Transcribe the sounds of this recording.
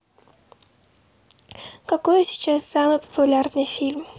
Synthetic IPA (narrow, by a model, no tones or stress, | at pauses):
kɐkɔjɪsʲʃt͡ʃɛsamɪpɔ̥pʊlʲarnɪfʲilʲm